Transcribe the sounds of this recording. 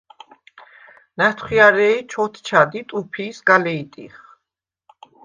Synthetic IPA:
nat̪ʰχwiaɾɛit͡ʃʰɔt̪ʰt͡ʃʰad̪it̪ʼupʰiːsɡalɛit̪ʼḭχ

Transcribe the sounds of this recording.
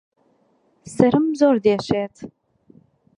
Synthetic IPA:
sɐɾɨmzoːrdeːɕeːtʰ

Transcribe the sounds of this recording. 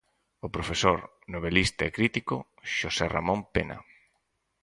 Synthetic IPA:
opɾofesoɾ | noβ̞elist̪aekɾit̪iko | ʃosera̰mõmpenɐ̰

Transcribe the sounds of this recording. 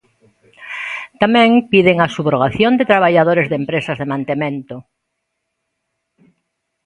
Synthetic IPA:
t̪amɛ̃ŋpiðeŋasuβɾoɣaθjond̪et̪ɾaβ̞aʎaðoɾezðempɾesazðemãnt̪emẽnt̪o

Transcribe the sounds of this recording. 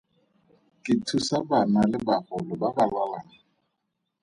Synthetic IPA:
kʼɪtʰusabanalɪbahʊlʊbabalalana

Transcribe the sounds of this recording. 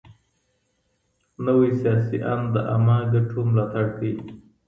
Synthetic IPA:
nəwisijɑsiʔa̰nd̪əʔa̰mɑɡaʈʰomlɑt̪aɽd̪ij

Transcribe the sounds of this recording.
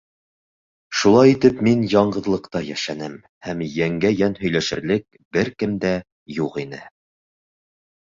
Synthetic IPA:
ʃulˠɑjit̪ɘpminjɑɴɢɤ̆ðlˠɤ̆qt̪ɑjæʃænɘm | hæmjæŋɡæjænhɵ̆jlæʃɘ̆ɾlɘk̚ | bɘɾkɘmd̪æ | juqinɘ

